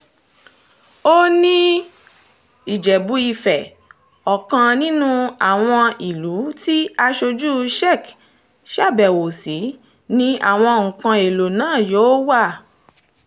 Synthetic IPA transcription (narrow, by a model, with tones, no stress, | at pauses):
o˦nĩ˦ | i˨d͡ʒɛ˨bu˨˦i˧fɛ˨ | ɔ˨kã˧nĩ˦nũ˦a˨w̃ɔ̃˧i˨lu˨˦ti˦a˧ʃo˧d͡ʒu˦ʃɛ˦˨k | ʃa˦˨bɛ˨wo˨si˨˦ | nĩ˧a̰˦˨w̃ɔ̃˧ŋ̩̃˨kã˧e˨lo˨nãː˦˨joː˨˦wa˦˨